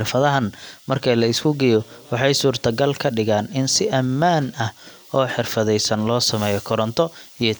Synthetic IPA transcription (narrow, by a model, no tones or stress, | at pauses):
rfɐðɐɦɐnmɐrkʰɐlɐɪskʰʊɡɛjɔwɑħɑjsuːrt̪ʰɐɡɐlkʰɐɖɪɣaːnɪnsɪʔɐmːaːnɐh | ɔːħɪrfɐðɛjsɐnlɔːsɐmɛːjɔkʰɔɾɔnt̪ʰɔijɔ